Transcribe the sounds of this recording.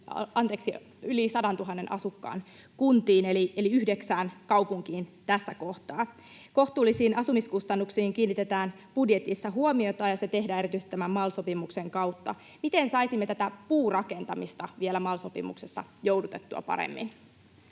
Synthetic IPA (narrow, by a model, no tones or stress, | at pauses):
ɑnt̪eːksi | ylisɑdɑnt̪uɦɑnːenʔɑ̰sukːɑ̰ːn | kunt̪iːnelieliyhdeksæːnkɑupuŋkiːnt̪æsːæko̞ht̪ɑː | ko̞ht̪uːlːisiːnʔɑsumiskust̪ɑnːuksiːŋkiːnːit̪e̞t̪æːn | b̥udjet̪isːɑɦuomiot̪ɑːjɑset̪e̞ɦdæːeit̪yst̪æmæmmɑlso̞pimukseŋkɑwt̪ːɑ̰ | mit̪e̞nsɑisimːet̪æt̪æpuːrɑke̞nt̪ɑmist̪ɑʋielæmɑːlso̞pḭmṵkse̞sːɑ̰jowdut̪e̞t̪ːuɑ̰pɑ̰ɾḛmːḭn